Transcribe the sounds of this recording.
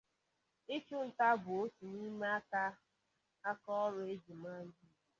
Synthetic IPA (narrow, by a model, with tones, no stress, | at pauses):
ɪ˦t͡ʃʊ˦n̩˨ta˦bʊ˨o˦tu˨ni˦me˦a˦ka˦ | a˦kɔ˦ɔ˦ɾʊ˨e˦d͡ʒi˨ma˦n̩˦d͡ʒi˦˨